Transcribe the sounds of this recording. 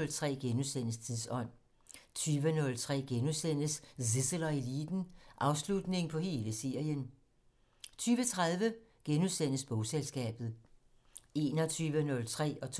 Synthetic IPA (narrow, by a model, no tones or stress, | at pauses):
lt͡sʰʁɛ̰ːɡ̥enuðˠsen̰əst͡sʰiðˠsɒ̽n̰ | t͡sʰyːʋənɔ̽lt͡sʰʁɛ̰ːɡ̥enuðˠsen̰əssisəlɐelḭːd̥n̩ʔɑ̈ʊslud̥ne̝ŋpʰɒ̽he̝ːləse̝ɐ̰jən | t͡sʰyːʋət͡sʰʁaðˠʋəɡ̥enuðˠsen̰əsb̥ɔʊselsɡ̥ɛ̰ːb̥ð̞̩ˠ | e̝ːnɒt͡sʰyːʋənɔ̽lt͡sʰʁɛ̰ːɒ̽t͡sʰ